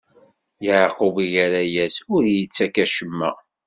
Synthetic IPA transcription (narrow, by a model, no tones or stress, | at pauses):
jəʕquviʝæɾæjæsʊɾjət͡sːækæʃəmːæ̰